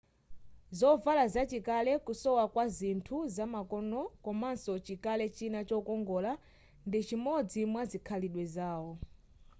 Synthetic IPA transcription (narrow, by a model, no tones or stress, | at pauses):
zɔvalazat͡ʃikalɛkusɔwakwazintʰuzamakɔnɔkɔmansɔt͡ʃikalɛt͡ʃinat͡ʃɔkɔŋɡɔla | ndit͡ʃimɔd͡zimwazikʰaliɗwɛzaːwɔ